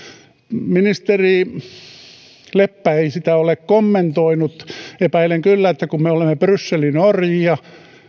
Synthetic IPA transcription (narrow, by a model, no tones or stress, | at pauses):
minist̪eriː | lepːæeisit̪æolekkomːent̪oinut̪epæileŋkylːæet̪ːækummeolemːeprysːelinorjiɑ